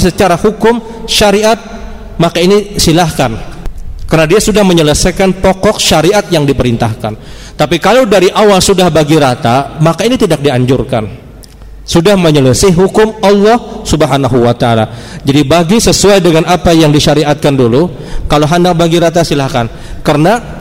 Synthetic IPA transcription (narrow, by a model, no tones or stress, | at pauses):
sət͡ʃaɾahukʊm | ʃaɾiʔat̪̚ | makainisilahkankərnadiasudahməɲələsajkanpɔkɔk̚ʃaɾiʔat̪̚jaŋdipəɾint̪ahkan | t̪apikalowdaɾiʔawalsudahbaɡiɾat̪amakainit̪idak̚diaɲd͡ʒʊrka̰n | sudahməɲələsaɦukʊmalːɔhsubəɦanaɦuwat̪aala̰d͡ʒadibaɡisəsuajdəŋanapajaŋdiʃaɾiat̪̚kandulu | kaloɦandak̚baɡiɾat̪asilahkan | kərna